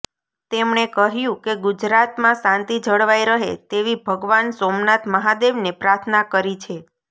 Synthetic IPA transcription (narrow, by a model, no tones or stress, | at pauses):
t̪emɳekəɦjũkeɡud͡ʒɾat̪mãsãnt̪id͡ʒʱəɽʋaiɾəɦḛt̪eʋibʱəɡʋansomnat̪məɦad̪eʋnepɾaɾt̪ʰnakəɾit͡ʃʰe